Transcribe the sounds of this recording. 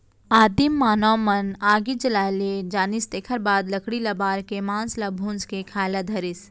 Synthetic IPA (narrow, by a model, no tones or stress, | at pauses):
aːd̪imːaːnɔːmənaːɡid͡ʒɐlaːled͡ʒaːnist̪eːkʰəɾbaːd̪lɐkɽilɐbaːɾkemãːnslɐbʱũːnskekʰaːlad̪ʱɐɾɪs